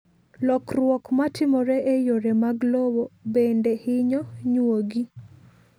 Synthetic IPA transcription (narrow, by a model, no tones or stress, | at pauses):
lɔkrwɔkmatɪmɔɾɛʔejoɾemaɡlowobendehɪɲɔɲwoɡi